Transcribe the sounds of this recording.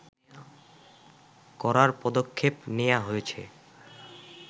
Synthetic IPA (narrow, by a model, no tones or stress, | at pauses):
kɔɾaɾpɔd̪okʰːepnejaɦojet͡ɕʰḛ